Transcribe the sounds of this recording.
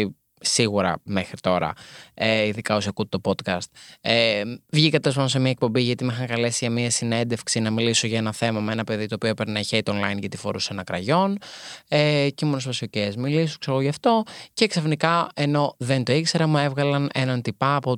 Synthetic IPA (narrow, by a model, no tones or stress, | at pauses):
i | siɣuɾɐ̰me̞xɾit̪o̞ɾɐ̰eiðikɐosɐkut̪et̪opo̞t̪kɐst̪̚evʝikɐt̪espɐosemiɐek̚po̞mbiʝɐt̪imixɐŋkɐle̞siʝɐmiɐsine̞nd̪e̞fksinɐmilisoʝɐenɐθe̞mɐmeenɐpe̞ðit̪oːpioipeɾnɐçeit̪onlɐjnʝɐt̪ifo̞ɾusenɐkɾɐ̰ʝo̞neceimonespɐsiocezmilis̬okseɾɣoʝɐft̪o̞ce̞ksɐfnikɐeno̞ðe̞nt̪o̞ikse̞ɾɐmuevɣɐlɐnenɐnt̪ipɐːpo